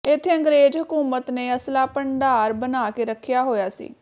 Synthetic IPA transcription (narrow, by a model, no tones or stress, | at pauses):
ɪt̪ʰːeːə̃ŋɡɾeːd͡ʒɦʊkuːmət̪neːəslaːpəɳɖaːɾbənaːkeːɾəkʰːɪjaːɦoːjaːsḭː